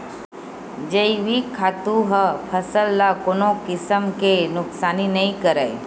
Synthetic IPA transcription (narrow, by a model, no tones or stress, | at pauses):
d͡ʒəiʋikʰaːt̪uɦəpʰəsəlːakoːnõkɪsəmkenʊksaːninɐĩkəɾəj